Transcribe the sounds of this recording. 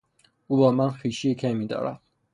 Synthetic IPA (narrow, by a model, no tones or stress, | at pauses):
uːbɒːmænxiːʃiekʰemiːd̪ɒ̰ːɾæ̰d̪̥